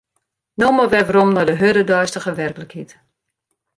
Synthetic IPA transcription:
noməʋɛʋəɾɔmnɔdəɦødədɔjstəχəʋɛrkələkhit

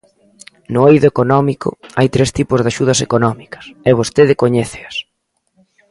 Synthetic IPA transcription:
nʊejðʊekonɔmiko̰ajt̪ɾest̪ipʊzðaʃuð̞ɐsekonɔmikɐ̥sɛβ̞ost̪eðɪkoɲɛθɪɐs

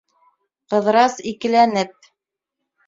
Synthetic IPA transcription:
qɤ̆ðɾɑsikɘ̆lænɘp̚

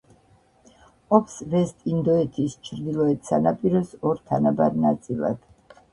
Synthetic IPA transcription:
ɔpʰsvɛst̪ʼind̪ɔɛt̪ʰist͡ʃʰɾd̪ilˠɔɛt̪sanapʼiɾɔsɔɾt̪ʰanabaɾnat̪sʼilˠa̰d̪̥

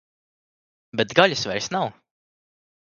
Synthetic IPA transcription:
bɛt̪ɡaʎʲusvɛɾsnaw

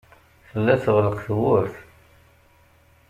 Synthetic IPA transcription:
θəlːæθʁləqθwʊɾθ

